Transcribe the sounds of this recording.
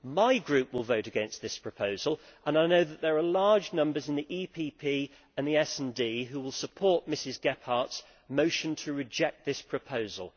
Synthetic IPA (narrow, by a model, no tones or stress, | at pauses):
maɪɡɹʉˑpwɪlˠvəʊɾəɡɛ̃nst̪ðɪspʰɹ̥əpʰəʊzəlˠə̃naɪnoʊðəʔðəɹəlɑːd͡ʒnʌ̃mbəzɪ̃nðiʔiːpʰipʰiː | ə̃nðiɛsɛ̃ndiːɦuwɪlˠsəpʰɔˑʔmɪsɪzɡɛpʰɑˑts | məʊʃə̃ntʰəɹɪd͡ʒɛk̪̚ðɪspʰɹ̥əpʰəʊzə̰lˠ